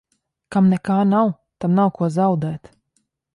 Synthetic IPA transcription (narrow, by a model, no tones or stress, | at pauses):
kamnɛkaːnaw | t̪amnawkuɔzawd̪ɛːt̪